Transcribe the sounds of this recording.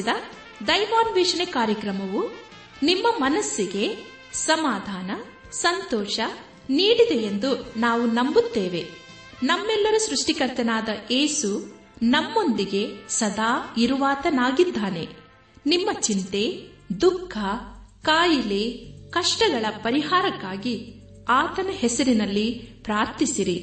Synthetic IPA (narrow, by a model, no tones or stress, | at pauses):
d̪ɐ | d̪ɐjmaːnʋɛːʃɐnekaːɾjɐkɾɐmɐʋu | nimːɐmɐnɐsːiɡe̞ | sɐmaːd̪ʱaːnɐ | sɐnt̪ɔːʃɐ | niːɽid̪e̞end̪unaːʋunɐmbut̪ːeːʋe̞ | nɐmːɛlːɐɾusɾuʂʈikɐɾt̪ɐnaːd̪ɐʔeːsu | nɐmːo̞nd̪iɡe̞sɐd̪ʱaːiɾuʋaːt̪ɐnaːɡid̪ʱːaːne̞ | nimːɐt͡ʃint̪e̞ | d̪ukʰːɐkaːjileːkɐʂʈɐɡɐɭɐpɐɾiɦaːɾɐkːaːɡi | aːt̪ɐnɐhɛsɐɾinɐlːipɾaːɾt̪isiɾi